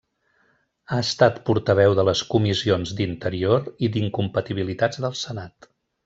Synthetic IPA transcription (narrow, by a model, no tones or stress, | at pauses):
aəst̪at̪puɾt̪əβɛwðələskumizionzd̪int̪əɾioɾid̪iŋkumpət̪iβ̞ilit̪ad͡zðəlˠsənat̪